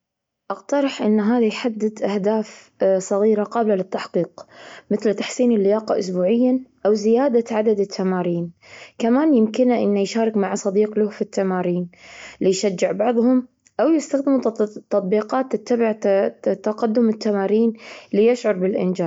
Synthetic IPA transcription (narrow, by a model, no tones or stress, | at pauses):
ʔɑqt̪ɑɾˤɑħʔɪnːɦaːðajħad̪ːɪd̪ʔahd̪aːf | sˤɑɣiːɾaqɑːblalɪt̪ːaħqiːqmɪθlt̪ːḁħsiːnɪlːɪjaːqɑʔʊsbuːʕɪjːaʔawzɪjaːd̪aʕad̪ad̪ɪt̪ʰːamaːɾiːnkamaːnjɪmkɪnaʔɪnːajʃaːɾɪkmaʕsˤɑd̪iːqlʊːfit̪ːamaːɾiːnlɪjʃad͡ʒːɪʕbɑʕðˤhʊm | ʔawjɪst̪axd̪ɪmut̪ːɑt̪ˤbiːqɑːt̪ːɪt̪ːabɪʕt̪ːaqad̪ːʊmɪt̪ːamaːɾiːnlijɪʃʕʊɾˤbɪlʔɪ̰nd͡ʒaː